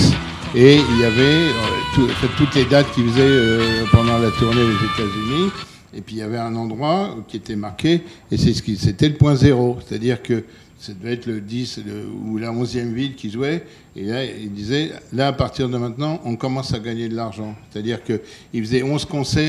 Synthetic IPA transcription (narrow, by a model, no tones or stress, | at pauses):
eiljavɛøt̪uɑ̰̃fɛ̃t̪ːut̪led̪at̪̚kʲifəzɛøpɑ̃d̪ɑ̃lat̪uʁned̪ezet̪azyni | epɥiljavɛɛ̃nɑ̃d̪ʁwakʲiet̪ɛmaʁkʲe | esɛsə̥kʲiset̪ɛləpwɛ̃zeʁose̥t̪ad̪iʁkə | sad̪əvɛɛt̪ləd̪islə̰ulaɔ̃zjɛmvilkʲiʒuwɛ | ebjɛ̃ild̪izɛlaːpaʁt̪iʁd̪əmɛ̃t̪nɑ̃ʔɔ̃kɔmɑ̃saɡaɲed̪əlaʁʒɑ̃se̥t̪ad̪iʁkə | ilfəzɛɔ̃zkɔ̃sɛ